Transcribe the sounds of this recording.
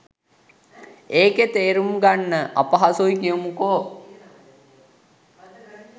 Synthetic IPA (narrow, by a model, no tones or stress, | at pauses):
eːket̪eːɾumɡanːəʔapaɦasuikijəmukoː